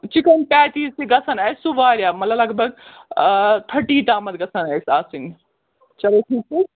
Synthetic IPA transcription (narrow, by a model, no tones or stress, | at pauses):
t͡ʃikɐnpʲɛːtiːsiɡɐsɐnɐsuʋaːɾʲjaːmɐlɐblɐɡbʱɐɡ̚ | t̪ʰɐʈiːʈ̪aːmɐt̪̚ɡɐsʰɐnɐːsaːsiŋ | t͡ʃɐleʈʰiːk̚ːi